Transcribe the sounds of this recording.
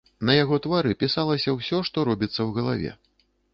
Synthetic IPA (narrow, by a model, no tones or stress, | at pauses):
nɐjaɣɔt̪vaɾɨpʲisalˠɐsʲɐwsʲɔʂt̪ɔɾɔbʲit̪sːɐwɣɐlˠavʲɛ̰